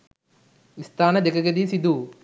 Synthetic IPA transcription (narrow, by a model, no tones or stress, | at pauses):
ist̪aːnɐd̪eɡɐɡɐd̪iːsid̪u